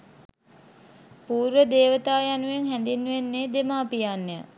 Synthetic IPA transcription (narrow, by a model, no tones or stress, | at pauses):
puːɾʋəd̪eːʋət̪aːjanuʋeŋɦænd̪inːuʋenːeːd̪emaːpijanːjə̰